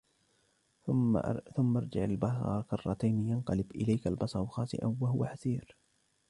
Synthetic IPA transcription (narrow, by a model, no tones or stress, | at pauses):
θʊmːɑɾˤd͡ʒɪ̰ʕalbɑsˤɑ̰ˤkɑrˤːɑt̪ajnijanqɑlɪbʔɪlajkalbɑsˤɑɾxɑːsˤɪ̰ʔa̰nwaɦʊwaħasiːɾ